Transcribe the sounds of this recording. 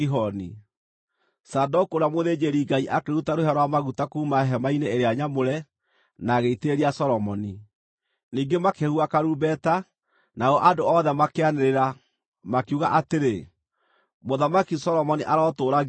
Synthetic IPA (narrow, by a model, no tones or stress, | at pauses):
iɦɔni | sadɔkoɾamoðeːd͡ʒeɾiɡaiʔakeɾutaɾohaɾwamaɣutakuːmaɛɦɛmaineeɾeaɲamoɾɛ | naɣeiteeɾiasɔɾɔmɔni | niːŋɡemakehuakaɾubɛta | naɔʔadoɔðɛmakeaneɾeɾa | makuɣaʔateɾe | moðamakisɔɾɔmɔniʔaɾɔtoːɾa